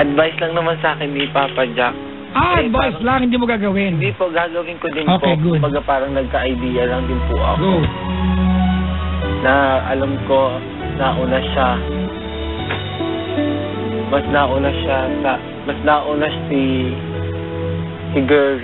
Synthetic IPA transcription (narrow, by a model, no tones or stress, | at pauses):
ʔɐd̪vajslɐŋnɐmansɐʔaːkɪnːɪpapɐd͡ʒak̚ | aɐd̪vajslaŋhɪnd̪imoɡaːɡɐwɪnnd̪ipoɡaːɡɐwɪnkod̪ɪnʔoːpoeɡʊd̪bɐɡapaːɾɐŋnɐɡ̚kɐʔɐjd̪iːjɐlɐŋd̪ɪnpʊʔɐ̰kɡodd̪ | nɐʔɐlamko̞ | naʔʊnaʃa | mɐsnaʔʊnaʃasɐ | mɐsnaʔunaʃasi | sɪɡɛ